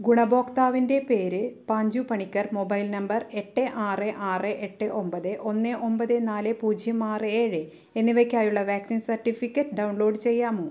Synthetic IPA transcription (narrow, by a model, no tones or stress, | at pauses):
ɡuɳɐbo̞ːkt̪aːʋinde̞pe̞ːɾɨpɐɲd͡ʑupɐɳikʲːɐrmo̞bɐjlnɐmbɐre̞ʈːɨʔaːrɨʔaːrɨʔeʈːɨʔo̞mbɐðɨʔo̞nːɨʔo̞mbɐðɨnaːlɨpuːd͡ʑʱjɐmaːrɨeːɻɨ | e̞nːiʋekʲːaːjuɭːɐʋaːksinsɐrʈːifikʲːɐtːɨɖɐwɳlo̞ːɖɨt͡ɕe̞jːaːmo